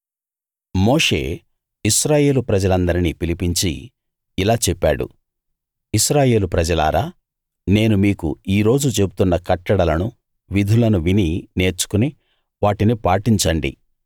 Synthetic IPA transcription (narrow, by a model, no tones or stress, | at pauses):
mo̞ːʂe̞̰ː | iʃɾaːje̞ːlupɾɐd͡ʒɐlɐnd̪ɐɾinipilipiɲt͡ʃḭ | ilaːt͡ʃɛpːaːɽṵ | iʃɾaːje̞ːlupɾɐd͡ʒɐla̰ːɾaː | ne̞ːnumiːkṵiːɾo̞ːd͡ʒut͡ʃe̞but̪unːɐkɐʈːɐɽɐlɐnu | ʋid̪ʱulɐnuʋinine̞ːɾt͡ʃu̥kuni | ʋaːʈinipaːʈiɲt͡ʃɐɳɖḭ